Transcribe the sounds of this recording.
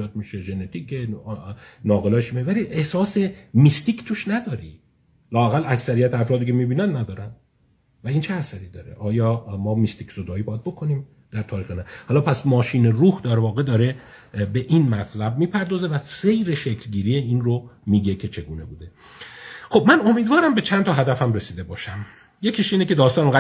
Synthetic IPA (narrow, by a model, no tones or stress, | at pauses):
ɒːd̪̚miʃeʒe̞ne̞t̪ʰiːcʰe | nɒːɣelɒːʃmievæliʔehsɒːse̞mist̪iːkʰt̪ʰuʃnæd̪ɒːɾi | lɒːæɣælʔæksæɾijæt̪ʰeæfɾɒːd̪iːcʰe̞miːbiːnænnæd̪ɒːɾænd̪ | væint͡ʃʰeæsæɾiːd̪ɒːɾḛʔɒːjɒːmɒːmist̪ikz̥od̪ɒːiːbɒjæd̪̚bo̞kʰo̞niːm | d̪̥æɾt̪ʰɒːɾiːxenæhɒːlɒːpʰæsmɒːʃiːneruːhd̪æɾvɒːɣe̞d̪ɒːɾe̞ | be̞ʔinmæt̪ʰlæbmiːpʰæɾd̪ɒːze̞væse̞jɾeʃekʰlɟiːɾijeinromiːɟe̞cʰe̞t͡ʃʰe̞ɡuːne̞buːd̪e̞ | xo̞b̚mæno̞miːd̪vɒːɾæmbet͡ʃʰænt̪ʰɒːɦæd̪æfæmɾe̞siːd̪e̞bɒːʃæm | je̞cʰeʃiːnece̞d̪ɒːst̪ɒːnoŋɡæ